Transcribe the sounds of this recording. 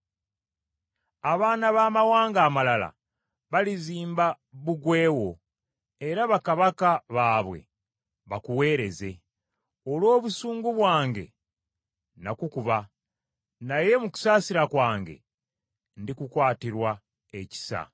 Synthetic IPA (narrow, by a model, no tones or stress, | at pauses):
aβaːnaβaːmawaːŋɡaːmalala̰ | βaliziːmba | βuɡwe̞ːwo̞ | e̞ɾaβakaβakaβaːβwe̞̰ | βakuwe̞ːɾe̞ze̞ | o̞lwo̞ːβusuːŋɡuβwaːŋɡe̞̰ | nakukuβa | naje̞muku̥saːsiɾakwaːŋɡe̞̰ | ndikukwaːtiɾwa | e̞ci̥sa̰